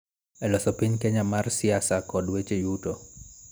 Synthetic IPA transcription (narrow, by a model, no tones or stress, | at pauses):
ɛlɔsɔpiɲkɛɲamarsɪasakɔdwet͡ʃejutɔ